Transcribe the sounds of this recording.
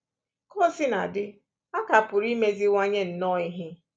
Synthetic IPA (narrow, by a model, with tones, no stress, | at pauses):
kɔ˦sɪ˦na˨dɪ˦ | a˦ka˨pʊ˨ɾi˦me˦zi˦ŋʷa˦ɲe˦n̩˨nɔ˦i˦ɦɪ˦